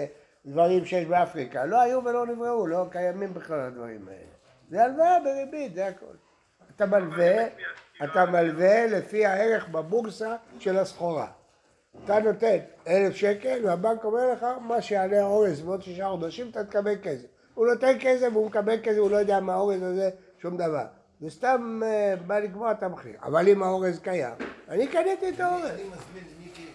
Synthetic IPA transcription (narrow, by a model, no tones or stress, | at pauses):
d̪vaʁimʃejeʃbeafʁikalo̞ajuve̞lo̞nivʁeulo̞kajamimbeχlalad̪va̰ʁḭma̰ḛle | zealveabeʁibid̪eako̰l | at̪amalve | at̪amalve̞le̞fihaeʁe̞χbabuɡsaʃe̞lasχoʁa̰ | at̪ano̞t̪e̞ne̞lefʃe̞kelveabaŋko̞meʁleχamaʃealeaoʁezmeot̪ʃiʃaχod̪aʃimat̪amit̪kabelkesev | unot̪enkesevumekabelkezevulo̞jod̪eamaːoʁezaze | ʃumd̪ava̰ʁ | vest̪ambaliɡmoat̪amaχlḭʁa̰valimao̞ʁezkaja̰manikanet̪iet̪aoʁez